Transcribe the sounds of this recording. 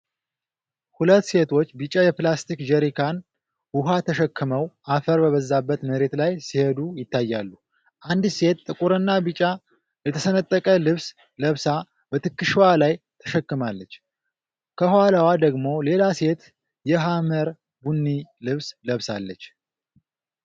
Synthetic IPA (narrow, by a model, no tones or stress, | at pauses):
hulət̪ːse̞t̪ʰo̞t͡ʃːbɨt͡ʃʼːajɛplast̪ʰikd͡ʒəɾikʰan | wuɦat̪ʰəʃəkʰːɨməwʔafəɾbəβəzːabːət̪məɾe̞t̪lajsihed̪ujɪt̪ʰːajːalːu | ʔand̪se̞t̪ːʼɨkʼuɾɨnːabɨt͡ʃʼːa | lɛt̪ʰəsənət̪ʼːəkʼəlɨβs | ləβsa | bət̪ʰɨkːɨʃwalajt̪ʰə̥ʃɛkːɨmalːət͡ʃː | kʰəhaləwad̪əɡmo̞le̞lase̞t̪ | jɛɦaməɾ | bunːilɨβsləβsalːət͡ʃː